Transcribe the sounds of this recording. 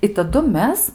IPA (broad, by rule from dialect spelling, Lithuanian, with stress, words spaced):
ɪ tɐˈdʊ ˈmʲɛs